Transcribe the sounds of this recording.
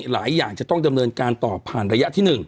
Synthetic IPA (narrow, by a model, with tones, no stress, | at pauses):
la̰ː˩˦jːaː˨˩ŋt͡ɕa˨˩t̪ɔ˥˩ŋda˧mnɤː˧nkaː˧nt̪ɔː˨˩pʰːaː˨˩nɾa˧ja˦˥ʔt̪ʰiː˥˩nɯ˨˩ŋ